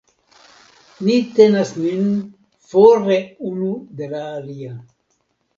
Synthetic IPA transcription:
nit̪enasnyn | foɾeunud̪elaːlia

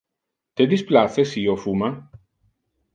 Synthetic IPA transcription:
t̪ed̪isplaθesiofuma

